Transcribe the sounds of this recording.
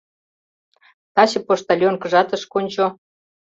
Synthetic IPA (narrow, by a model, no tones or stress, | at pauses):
t̪ɑɕɤ̆poʃt̪ɑlʲjonkə̆ʒɑt̪ə̆ʃkonʲt͡ɕo